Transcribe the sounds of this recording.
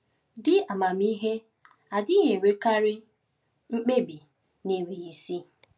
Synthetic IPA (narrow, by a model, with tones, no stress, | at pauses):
dɪ˦a˨ma˨m˦i˦ɦe˦ | a˨dɪ˦ɲe˨we˨ka˦ɾɪ˦ | ŋ͡m̩˦k͡pe˦bi˨ | ne˨wi˨ɣe˨si˦